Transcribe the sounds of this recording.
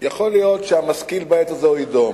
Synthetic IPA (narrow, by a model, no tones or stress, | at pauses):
jaχo̞lijo̞tʃehamaskilbaet̪azeid̪om